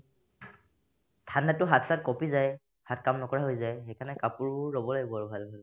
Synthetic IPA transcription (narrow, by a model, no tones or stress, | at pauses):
tʰandatʊɦatsat̚kɔpizaj | hatkamnɔkɔɹaɦojzajxɛjkʰanɛkapʊɹbʊɹɹɔbɔlaɡibɔaɹʊbʱalbʱal